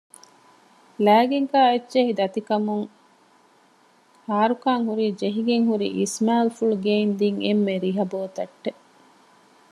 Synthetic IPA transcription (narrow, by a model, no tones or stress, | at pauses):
læːɡeŋkaːetːt͡ʃeɦid̪ɐt̪ikɐmuŋ | haːɾukaːŋhuɾiːd͡ʒeɦiɡeŋɦuɾḭʔismaːlfuɭɡeːmd̪iŋemːeɾiɦɐboːt̪ɐʈːe